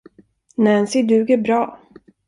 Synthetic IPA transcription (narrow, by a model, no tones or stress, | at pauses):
nɛnsɪɖʉ̟ːɡəɾbɾɑː